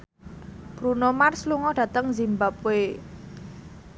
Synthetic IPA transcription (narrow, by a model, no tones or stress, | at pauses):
b̥ɾunomarsluŋɔɖ̥ä̤t̪əŋzimbap̚e